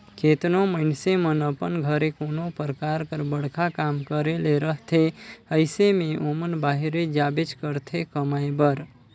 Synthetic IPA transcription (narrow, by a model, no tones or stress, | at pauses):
kʰeːt̪noməɪnsemənəpənɡʱəɾekoːnopəɾkaːɾkəɾbəɽ̤kʰakaːmkəɾeleɾəɦt̪ʰeəɪsemẽʔomənbaːɦiɾed͡ʒaːbed͡ʒkəɾt̪ʰekəmajbəɾ